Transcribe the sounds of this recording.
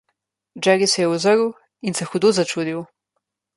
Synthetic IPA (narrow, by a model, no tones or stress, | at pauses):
d͡ʒɛɡisɛjɛuzəɾu | insɛxud̪ozat͡ʃuːd̪iu